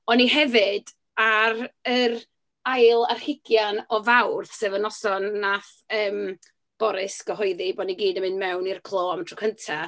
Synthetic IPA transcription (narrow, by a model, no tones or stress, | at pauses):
ɔniɦɛvɨd̥ | arər | ajlˠarhɪɡ̥janɔvawrðsɨːvənɔsɔnːaθ | əːm | b̥ɔɾɪsɡ̥əɦɔjðibɔdniɡiːdəmɨnmɛwnirkʰlˠoːamtʰrɔ̥kʰəntʰa